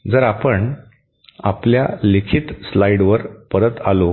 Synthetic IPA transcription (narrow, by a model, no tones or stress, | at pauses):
d͡zəɾapəɳ | apljalekʰit̪slaiɽʋəɾpəɾət̪a̰lo